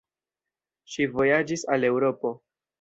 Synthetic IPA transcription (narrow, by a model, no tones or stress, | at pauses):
ʃivo̞jad͡ʒisale̞wɾo̞po̞